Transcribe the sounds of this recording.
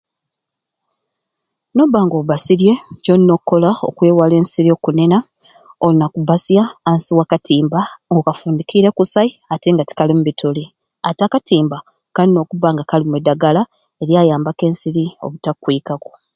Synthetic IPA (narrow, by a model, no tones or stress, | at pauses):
no̞baːŋɡo̞ːββasiɾje̞ɟonːo̞kːo̞lao̰kweːwale̞ːnsiɾio̞ːkune̞na | olunakubasjaːnsiwaːkatʰiːmbaŋɡokafuːndikʰiɾe̞kusaiate̞ŋɡati̥kalimuβitʰoli | atakatiːmba | kalino̞ːkuβaːŋɡakalimwedːaɡala | e̞ɾjaːjaːmbake̞ːnsiɾio̞̰βutakːwiːkako̥